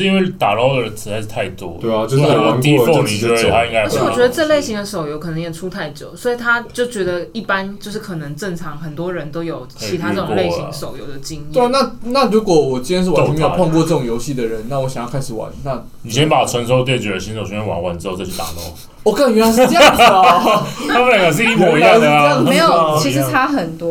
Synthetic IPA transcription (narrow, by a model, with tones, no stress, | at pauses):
i˥nwe˥˩ɪt̪a˨˩lo˥˧ʊd̪ə˨˩ə˦t͡s̩ʰ˧˥t͡sʰa˧ɪʂ̩˥˩t̪ʰa˥˩ɪt̪wɔ̰˥e˥˩˥o˥˧t̪i˥˧˥fo˥˧˩mi˨˩˥t̪ʰa˥i˥ŋka˥wwɔ˨˥˨ɥɛ˧˥d̪ə˧ʈ͡ʂɤ˥˧le˥˩ɪɕi˧˥ŋd̪ə˧so˨˩ʊjo˧˥ʊkʰɤ˨˩nə˧˥ŋjɛ˨˩t͡sʰu˥t̪ʰa˥˩ɪt͡ɕjo˨˩ʊswɔ˧˥i˨˩t̪ʰa˥t͡ɕjo˥˩ʊt͡ɕɥɛ˧˥d̪ə˧i˥˩pa˦˥nt͡ɕjo˥˧ʊʂɻ̩˥˩kʰɤ˨˩nə˧˦ŋʈ͡ʂə˥˩ŋt͡sʰɑ˧˥ŋxə˨˩nt̪wɔ˥ɻə˧˦nt̪o˥ʊjo˨˩ʊkt͡ɕʰi˧˥t̪ʰa˥ə˥˩ʊ˨kle˥˩ɕi˧˨ŋso˨˩ʊjo̰˧˦ʊd̪ə˨t͡ɕi˦˥ŋi˥we˥˩na˥˨na˥˩ɻu˨˥kwɔ˨˦wɔ˨˩t͡ɕi˥njnʂ̬ɻ̩˥˩˨me˥˧˨pʰwa˥˧ŋkwɔ˥˧ʈ͡ʂɤ˥˩o˨˩ŋjo˧˥ʊɕi˥˩d̪ə˩ɻə˦nna˥˩wɔ˦ɕa˨ŋjɑ˥˩kʰa˥ɪʂɻ̩˨˩wa̰˨˦nna˥˩ | ni˨˩ɕjɛ˦˥npa˨˩t͡sʰwə˧˦nso˥ʊt̪jɛ˥˩t͡ɕɥɛ˨˩də˦ɕi˧˥nso˨ʊi˧˥˩ɛ˥nwa̰˧˥˦ŋwa̰˧˥nt͡sɻ̩˥˧ə˥˩t͡ɕʰi˧˥t̪a̰˨˩lo̰˥˩ʊ | ɔ˥˩ka˥˩ŋy˧˥a˥ʂ̩˥t͡ɕj | a˥me˥˩a˨˩ʂ̬ɻ̩˥˧i˥mɔ˨˩˧ja˥˩e˧˥jʰi˧˥˧t̪ʰa˦˥xə˨˩nt̪wɔ˥